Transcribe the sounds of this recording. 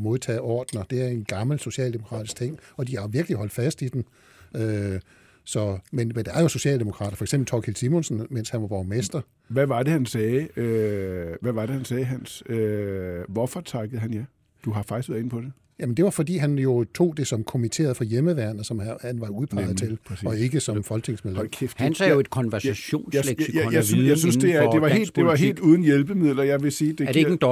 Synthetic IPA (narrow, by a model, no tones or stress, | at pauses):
mo̝ð̞ˠt͡sʰɛ̰ːɒ̰ːd̥nɐd̥e̝æɐe̝nɡ̥ɑ̈ml̩so̝ɕɛ̰ːld̥emo̝kʰʁɑ̰̈ːd̥ist͡sʰeŋ̰ɒ̽d̥ihɑ̈ʋiɐɡ̥liɦɒ̽l̰d̥fæsd̥id̥en | ø | sɒ̽menmend̥eæɐjo̝so̝ɕɛ̰ːld̥e̝mo̝kʰʁɑ̰̈ːɾɐfɒeɡ̥semb̥l̩t͡sʰɒkʰilsimonsn̩men̰shænʋɑ̈ʋɒːmesd̥ɐ | ʋæʋɑ̈d̥e̝hænsɛːø | ʋæʋɑ̈ɾ̥e̝hænsɛːɦænsøʋɒfɒ̽t͡sʰɑ̈ɡ̥əð̩ˠɦænjɑ̈ɪ | d̥uɦɑ̈fɑ̈ɡ̥̚isɡʋæɐe̝n̩pʰɒ̽d̥e | jæmend̥e̝ʋɑ̈fɒ̽d̥ḭːɦænjo̝t͡sʰo̝̰ːd̥e̝sɒ̽mkʰo̝mit͡sʰe̝̰ːɐðˠfɒ̽jeməʋæɐnsɒ̽mhænʋɑ̈uð̞̩ˠpʰɑ̈ɪð̩ˠt͡sʰe̝lɒ̽e̝ɡ̥əsɒ̽mfɒ̽lt͡sʰe̝ŋsmeðˠdkʰefænsɛjoe̝d̥̚kʰɒ̽nʋæɐsæɕo̝̰ːnsleɡ̥jjasjɑsynsd̥e̝æd̥eʋɑ̈e̝̰ːldd̥e̝ʋɑ̈ɦḛːld̥uːð̞ˠn̩jelb̥əmið̰ˠlɐjɑ̈ɪʋe̝siːd̥eɐdeeɡn̩d̥